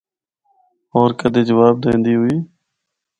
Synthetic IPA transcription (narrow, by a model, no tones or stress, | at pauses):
ɔːɾkəd̪eːd͡ʒəʋaːb̚d̪ẽːnd̪iːɦʊiː